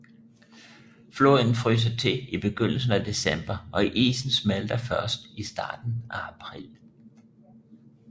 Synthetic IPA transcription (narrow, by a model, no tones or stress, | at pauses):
floin̩fʁyːs̬ɐt͡sʰe̝ib̥e̝ɡ̥øn̰l̩s̬n̩æd̥e̝sem̰b̥ɐʔɒ̽iʔḭːsn̩smæld̥ɐfɶɐsd̥isd̥ɑ̰̈ːd̥n̩ʔææpʰʁḭl